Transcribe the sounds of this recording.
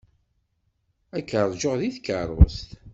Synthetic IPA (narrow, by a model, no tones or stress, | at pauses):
ækːəɾˤd͡ʒoʁðiθkərˤʊ̰st̪